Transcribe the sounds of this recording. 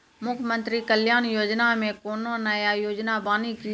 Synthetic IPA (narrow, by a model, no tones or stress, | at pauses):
mʊkʰmə̃nt̪ɾikəljaːnjoːd͡ʒnamẽkoːnõnəjajoːd͡ʒnabaːniki